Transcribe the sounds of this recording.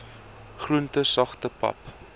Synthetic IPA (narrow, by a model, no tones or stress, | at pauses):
χruəntəsɐχtəpɐ̰p